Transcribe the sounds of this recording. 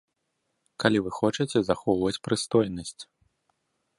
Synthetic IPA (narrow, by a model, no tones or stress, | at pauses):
kalʲivɨxɔt͡ʂɐt͡sʲɛzaxɔwvɐt͡sʲpɾɨst̪ɔjnɐsʲt͡sʲ